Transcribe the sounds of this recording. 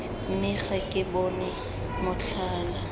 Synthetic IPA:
m̩mɪχakʼɪbɔnɛ | mʊɬʰ | aːla

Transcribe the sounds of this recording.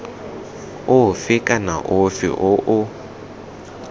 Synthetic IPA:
ʊɦʊfɪkʼana̰ʔʊfḭʔʊʔʊ

